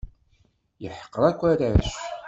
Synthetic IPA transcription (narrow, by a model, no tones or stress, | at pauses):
jəħə̥qːəɾˤækʷːæɾæʃ